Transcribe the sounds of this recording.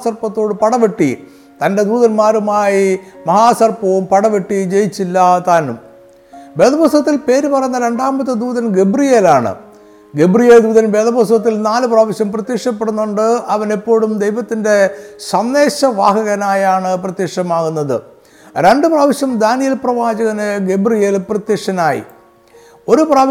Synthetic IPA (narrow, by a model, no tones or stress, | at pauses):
sɐrpɐt̪ːo̞ːɽɨpɐɽɐʋeʈːḭ | t̪ɐnde̞d̪uːðɐnmaːɾumaːjimɐɦaːsɐrpɐʋumpɐɽɐʋeʈːid͡ʑejit͡ɕːilːɐt̪aːnum | ʋeːd̪ɐbosɐt̪ːilpe̞ːɾupɐrɐjunːɐɾe̞ɳɖaːmbɐt̪ːɨd̪uːðɐnɡebrijeːlaːɳɨ̰ | ɡe̞brijeld̪uːðɐnʋeːd̪ɐbosɐt̪̬ːilnaːlɨpraːʋiɕjɐmprɐt̪jekʂɐpːeɽunːoɳɖɨɐʋɐnepːo̞ːɽumd̪ejʋɐt̪ːinde̞sɐnːe̞ːɕɐʋaːɦɐɣɐnaːjaːɳɨprɐt̪jekʂɐmaːɣunːɐðɨ | ɾe̞ɳɖɨpraːʋiɕjɐmd̪aːnijɐlprɐʋaːd͡ʑɐɣɐneɡebrijelprɐt̪jekʂɐnaːjḭ | o̞ɾupraː